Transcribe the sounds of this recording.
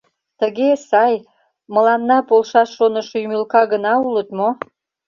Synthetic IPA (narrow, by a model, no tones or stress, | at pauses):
t̪əɣesɑj | məlɑnːɑpolʃɑʃːonəʃojymylkɑɣənɑulət̪mo